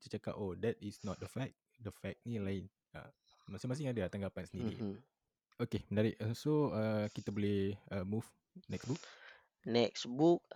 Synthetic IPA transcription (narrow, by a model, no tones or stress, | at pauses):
t͡ʃət͡ʃaka̰podɛt̚isnɔt̪̚dəfɛk̚ | dəfɛk̚nilaɪn | ə̰ | masĩŋmas̬ɪŋadat̪aŋɡapansəndiɾḭ | okemənaɾiʔsoəkit̪abolɛhəmuf | nɛksbuk̚ | nɛksbuk̚